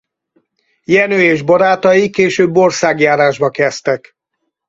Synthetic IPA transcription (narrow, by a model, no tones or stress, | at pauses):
jɛnøːeːʒbɒɾaːt̪ɒjikːeːʃøːbːo̞rsaːɡjaːɾaːʒbɒkɛst̪ɛk